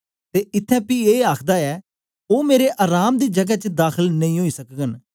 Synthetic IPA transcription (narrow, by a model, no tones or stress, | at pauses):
t̪eːɪt̪ʰːɛ̃ːpiːeːaːkʰd̪aːɛː | oːmeːɾeːʔaːɾaːmd̪iːd͡ʒəɡɛːt͡ʃəd̪aːkʰəlnəĩːɦoːiːsəkɡən